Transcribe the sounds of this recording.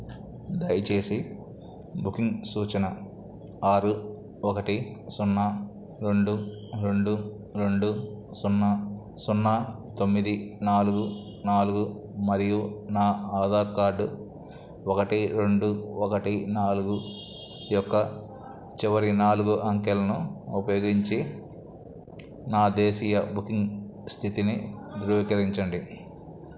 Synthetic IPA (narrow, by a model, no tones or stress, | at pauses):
d̪ɐjt͡ʃe̞ːsi | bukiŋɡsuːt͡ʃɐnɐ | aːɾu | ɔkɐʈisunːɐ | ɾe̞ɳɖu | ɾe̞ɳɖu | ɾe̞ɳɖusunːɐ | sunːɐt̪o̞mːid̪inaːluɡu | naːluɡu | mɐɾijunaːaːd̪ʱaːɾkaːɾɖu | okɐʈiɾeɳɖuɔkɐʈinaːluɡu | jɔkːɐ | t͡ʃiʋɐɾinaːluɡuʔɐŋkelɐnuupɐjoːɡiɲt͡ʃi | naːd̪eːsiːjɐbukiŋɡ | st̪ʰit̪inid̪ɾuːʋikɐɾiɲt͡ʃɐɳɖi